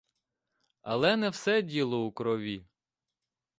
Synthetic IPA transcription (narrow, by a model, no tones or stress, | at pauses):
ɐ̰lˠɛnɛwsɛdʲilˠɔukɾɔʋʲi